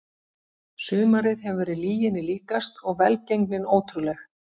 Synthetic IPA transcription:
sʏːmaɾɪðɦɛvvɛːɾɪðliːjɪnɪliːkast̪ɔɣvɛlcejŋknɪnoːwt̪ɾʏlɛx

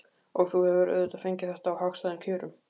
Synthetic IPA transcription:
ɔɣθuhɛvʏɾœ̰ɥðʏt̪aðfejɲcɪθɛht̪aːwhaxst̪ajðɪncʰʏːɾʏm

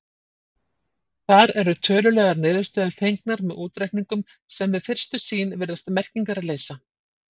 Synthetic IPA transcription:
θaɾɛɾʏt̪ʰœːlʏlɛːɣaɾnɪːðʏst̪œːðʏθejŋknaɾmɛðuːt̪ɾajkniŋkʏm | sɛmvɪðfɪr̥st̪ʏsiːnvɪɾðast̪mɛr̥ciŋkaɾaðleːjsa

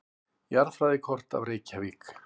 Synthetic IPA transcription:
jaɾðfɾajðɪkʰɔr̥t̪a̰vɾeːjcaviːk

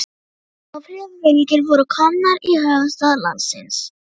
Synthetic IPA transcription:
ɔfɾiamenicɪɾfɔɾəkʰɔmnaɾihœːvast̪ala̰nsɪ̰ns

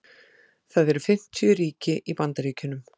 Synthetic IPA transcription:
θaðɛɾʏfɪm̥t̪ʰijʏɾiːcɪʔipant̪aɾiːcʏnʏm

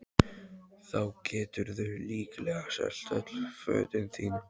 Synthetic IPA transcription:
θawcɛːt̪ʏɾðʏliːklɛɣasɛ̰l̥t̪œt̪l̥fœ̰ːt̪ɪnθiːnʏ

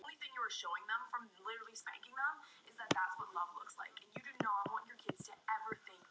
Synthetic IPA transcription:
ʊ̃nliθɪ̃ŋjɨə˞ʃoʊɪ̃ŋðə̃ɱfɹʌ̃mlˠɪɾə˞l̩ˠispæ̰̃ŋkɪ̃ŋðə̃mɨzðɨt̪̚ðætswʌtˡlʌvlʊksla̰ɪkɨ̃njɨɾɨ̃noʊwɑ̃njə˞kʰɪdz̥tʰɨɛvə˞θɪ̃ŋk̚

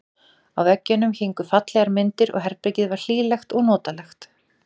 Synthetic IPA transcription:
awvɛcːʏnːʏmçejŋkʏfat̪lɛɣaɾmɪnt̪ɪɾɔ̰ɣɦɛɾpɾecɪðvaɾ̥l̥iːlɛxt̪ɔɣnɔːt̪alɛxt̪

